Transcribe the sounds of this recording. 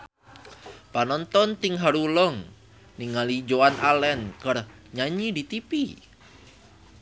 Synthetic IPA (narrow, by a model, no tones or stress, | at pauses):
panɔnt̪ɔnt̪iŋɦaɾulɔŋ | niŋalid͡ʒoanʔalɛnkər | ɲaɲidit̪ipi